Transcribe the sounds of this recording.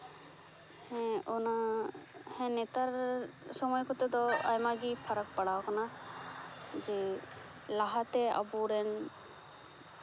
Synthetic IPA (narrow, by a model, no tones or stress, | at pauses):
hɛ̃ɔna | hɛ̃net̪aɾsɔmɔjkɔt̪ɛd̪ɔa̰jmaɡipʰaɾək̚paɽakɔna | d͡ʒe | laɦat̪ɛa̰buɾɛn